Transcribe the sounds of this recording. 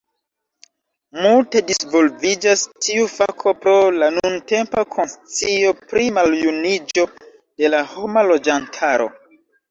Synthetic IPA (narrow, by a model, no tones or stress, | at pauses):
multe̞disvo̞lvid͡ʒastʰiufakʰo̞pɾo̞lanunte̞mpakʰo̞nsit͡sio̞pɾimaljunid͡ʒo̞ | d̥e̞laho̞malo̞d͡ʒantʰaɾo̞̰